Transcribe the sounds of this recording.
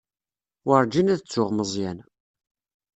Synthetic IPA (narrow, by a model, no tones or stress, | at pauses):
wəɾˤd͡ʒinæðt͡sːʊʁməzˤjæn